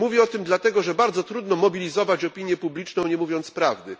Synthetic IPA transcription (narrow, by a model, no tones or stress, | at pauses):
muvʲiɔt̪ɘmd̪lat̪ɛɡɔʐɛbaɾd̪zɔt̪ɾud̪nɔmɔbʲilʲizɔvat͡ɕɔpʲiɲjɛpublʲit͡ʂnɔ̃w̃ɲɛmuvʲjɔnt̪spɾavd̪ɘ